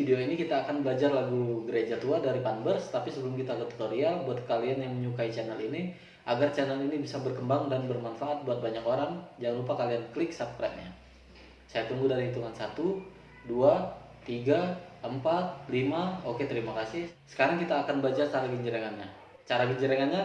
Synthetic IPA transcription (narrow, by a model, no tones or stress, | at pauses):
fideoinikit̪aːkanbəlad͡ʒarlaɡuɡəɾed͡ʒat̪uadaɾipanbərst̪apisəbəlʊmkit̪aɡut̪u̥t̪oɾialbuat̪̚kalianjaŋməɲukait͡ʃɛnɛlini | ʔaɡart͡ʃɛnəlinibisabərkəmbaŋdanbərmanfaʔat̪̚buat̪̚baɲakoɾaŋd͡ʒaŋanlupakaliankəlɪksap̚kɾam̚ɲa̰ | sajat̪uŋɡudaɾihit̪uŋansat̪u | dua | t̪iɡaəmpat̪̚limaoket̪əɾimakasɪhsə̥kaɾaŋkit̪aːkanbəad͡ʒart͡ʃaɾaɡəɲd͡ʒəɾaŋanɲa | t͡ʃaɾaɡəɲd͡ʒəɾaŋanɲa